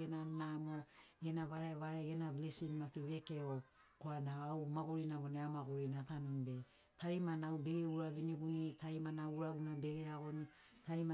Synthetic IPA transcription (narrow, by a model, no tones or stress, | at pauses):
enanamoɡenaβaɾaeβaɾaɡenablesinmatiβe̞ke̞o | koanaːwmaɡoɾinaβoneamaɡoɾinatanumbe̞ | taɾimanawbeɡeuɾaβinibunitaɾimanauɾaɡunabe̞ɡeaɡo̞ni | taɾima